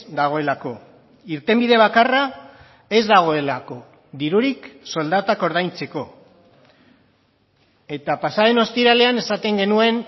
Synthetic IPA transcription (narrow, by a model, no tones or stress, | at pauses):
d̪aɣ̞o̞e̞lako̞ | iɾt̪e̞mbiðe̞β̞akara | e̞zðaɣ̞o̞e̞lako̞ | ðiɾuɾikso̞ld̪at̪ako̞ɾð̞ajnt͡se̞ko̞ | e̞t̪apasaðe̞no̞st̪iɾale̞ane̞sat̪e̞ŋɡe̞nue̞n